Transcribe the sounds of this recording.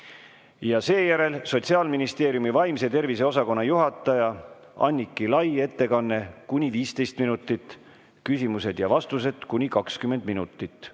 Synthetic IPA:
jɑse̞ːjæɾe̞lso̞t̪ʲsiɑːlminist̪e̞ːɾijumivɑjmse̞t̪e̞rvise̞o̞sɑko̞nːɑjuɦɑt̪ːˑɑjɑ | ɑ̰nʲːikːˑilɑje̞t̪ːe̞kɑnːe̞kunʲiviːst̪e̞jst̪minut̪ːˑit̪ːˑ | kysimuse̞d̪̥jɑvɑst̪us̬e̞d̪̥kunʲikɑkskymːe̞nd̪̥minut̪ːˑit̪ːˑ

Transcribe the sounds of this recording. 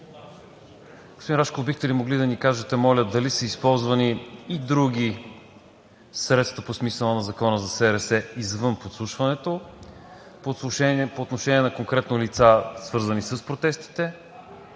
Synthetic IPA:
ɡ̥o̥spoinɾaʃkobixt̪ɛlimoɡlid̪ɐnikaʒɛt̪ɛmɔlʲəd̪ɐlisəispɔlˠzvɐniːd̪ɾuɡʲi | sɾɛt̪st̪vəposmisəlˠɐnɐzɐkɔnəzɐsɛɾɛsɛizvɤnpot̪slˠuʃvɐnɛt̪o | poɛpoːt̪noʃɛnʲiɛnɐkoŋkɾɛt̪nolit̪sasvɤɾzɐnisəspɾot̪ɛst̪i̥t̪ɛ

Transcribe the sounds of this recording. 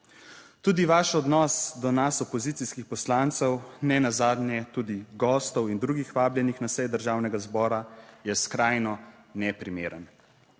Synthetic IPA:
t̪uːd̪iʋaːʃɔd̪nɔsd̪ɔnasɔpɔziːt̪siskixpɔslant̪səwnɛnazaːd̪njɛt̪uːd̪iɡɔːst̪ɔwind̪ɾuːɡixʋaːbljɛnixnasɛjd̪əɾʒaːwnɛɡazbɔːɾajɛskɾaːjnɔ | nɛpɾimeːɾən

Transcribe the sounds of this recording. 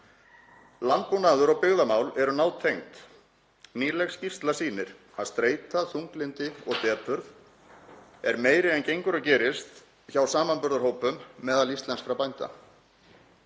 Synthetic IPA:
lantunaːðʏɾɔɣpɪɣðamaːwlɛɾʏnaːwt̪ʰejŋt̪ | niːlɛxscir̥t̪lasiːnɪɾ̥ | aðst̪ɾeːjt̪aθuŋklɪnt̪ɪɔɣt̪ɛːpʏɾð | ɛɾmeːjɾɪɛncejŋkʏɾacɛːɾɪst̪ | çawsaːmanpʏɾðaɾ̥ɦowpʏmːɛːðalist̪lɛnsfɾapajnt̪a̰

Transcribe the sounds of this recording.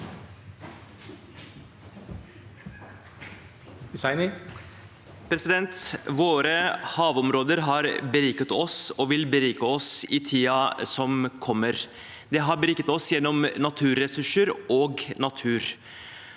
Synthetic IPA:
ɪsɑɪnɪ | pʰɾɛsɪd̪ɛnt̪ʋoːɾəhɑːʋɔmɾoːd̪əɾɦɑːɾbəɾiːkət̪ɔsoːʋɪlbəɾiːkəɔsiːt̪ʰiːɑsɔmkʰɔmːəɾ | d̪ɛːɦɑɾbəɾiːkət̪ɔsjɛnːɔmnɑt̪ʰʉːɾɛsʉʂəɾoːɡnɑt̪ʰʉːɾ

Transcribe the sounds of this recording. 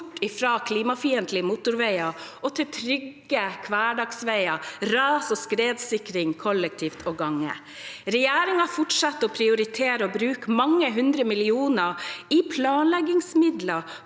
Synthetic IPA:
ʈːɪfɾɑːkʰliːmɑfiːənt̪lɪmʊt̪ʊɾʋæɪɑʔɔt̪ʰɪt̪ʰɾʏɡ | əkʰʋæːɖɑɡsʋæɪɑɾɑːsɔskɾeːd̪sɪkɾɪŋkʰɔlːək̚t̪ʰiːft̪ʰɔːɡɑŋːə̰ | ɾɛjæːɾɪŋɑfʊʈsɑt̪ːɔpʰɾɪʊɾɪt̪ʰeːɾəɔbɾʉːkmɑŋːəɦʉnd̪ɾəmɪlɪuːnəipʰlɑːnlɛɡɪŋsmɪd̪lɑ

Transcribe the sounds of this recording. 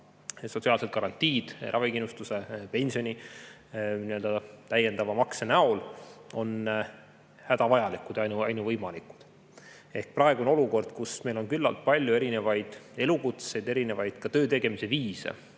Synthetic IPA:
so̞t̪ʲsiɑːlse̞t̪̚kɑɾɑnʲt̪ʲːˑiːd̪̥rʔɑ̰vikinːust̪use̞pe̞nʲsio̞nʲi | niøld̪ɑt̪æje̞nd̪ɑvɑmɑksenæo̞lo̞n | hæd̪̥ɑvɑjɑlikud̪ɑjnuɑjnuvɤjmɑliku̥d̪̥ | e̞hk̚prɑe̞ɡ̥uono̞luko̞rd̪̥kusme̞jlo̞nkylːɑ̰lt̪̚pɑlʲjue̞ɾine̞vɑjd̪̥e̞lukut̪se̞jd̪e̞ɾine̞vɑjd̪̥kɑt̪ø̞ːt̪e̞ɡ̥e̞mise̞viːsḛ

